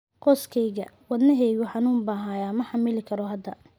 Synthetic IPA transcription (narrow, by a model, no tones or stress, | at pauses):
qɔːskʰɛjɣɐ̰wɐd̪nɐɦɛjɣʊħɑnuːmbɐɦaːjaːmɐħɑmɪlɪkʰɐɾɔɦɐd̪ɐ